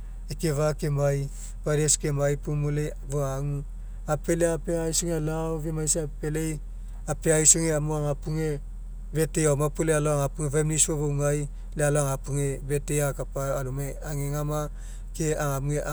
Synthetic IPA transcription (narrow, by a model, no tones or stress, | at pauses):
ekeβakemaj | padeskemajpumule | βoaŋu | apeleapeajsoŋealawβemajseapelej | apeajsoŋeamuaŋapuŋe | betejamapolealoaŋapuŋeβaemnisoβowŋaj | lealoaŋapuŋebetejakapaalume | aŋeŋama | keaŋamŋeʔ